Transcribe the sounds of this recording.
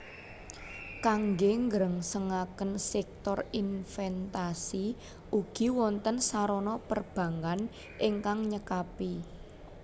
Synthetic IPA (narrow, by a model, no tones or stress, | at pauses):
kaŋɡeŋɡəɾəŋsəŋakənsɛk̚t̪ɔrinfɛnt̪asi | ʔuɡ̥i̤wɔnt̪ənsaɾɔnɔpərb̥ä̤ŋan | ʔɪŋkaŋɲəkapi